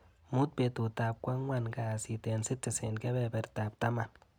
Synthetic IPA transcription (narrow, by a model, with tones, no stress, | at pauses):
mu˦t̚pe˧tu˨ta˨p̚kwa˦ŋwa˨nka˨si˨tɛ˨nsɪ˦tːi˨sɛ˨nkɛ˦bɛ˨bɛ˨ɾta˨p̚ta˦ma˨n